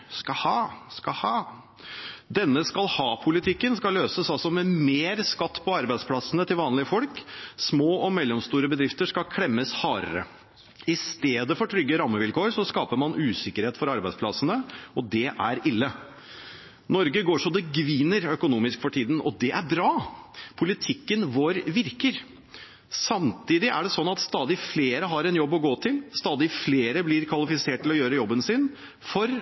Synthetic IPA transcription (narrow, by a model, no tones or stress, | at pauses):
skɑhɑːskɑhɑː | d̪ɛnːəskɑlhɑːpʰʊlɪt̪ʰɪkːənskɑlːøːsəsɑlsɔmɛmeːɾskɑt̪ːpʰɔɑɾbæɪd̪spʰlɑsənət̪ʰɪlʋɑːnlɪəfɔlksmoːɔmɛlːɔmst̪uːɾəbəd̪ɾɪft̪əʂkɑkʰɽɛmːəshɑːɾə̰ɾə̰ | ɪst̪eːd̪əfɔʈʰɾʏɡːəɾɑmːəʋɪlkoːɾsɔskɑːpəɾmɑnʔʉːsɪkːəɾheːt̪fɔɾɑɾbæɪd̪spʰlɑsənəʔɔd̪ɛʔæɾɪlːə | nɔɾɡəɡoːʂɔd̪ɛɡʋiːnəɾœkʊnuːmɪskfɔʈʰiːd̪n̩ɔd̪ɛʔæɾbɾɑːpʰʊlɪt̪ʰɪkːənʋoːɾʋɪɾkəɾ | sɑmt̪iːd̪ɪʔæ̰ɖɛsɔnːɑt̪st̪ɑːd̪ɪfleːɾəɦɑɾɛnjɔbːɔɡoːt̪ʰɪlst̪ɑːd̪ɪfleːɾəblɪɾkʰʋɑlɪfɪseːʈ̚ːɪlɔjøːɾəjɔbːənsɪn | fɔɾ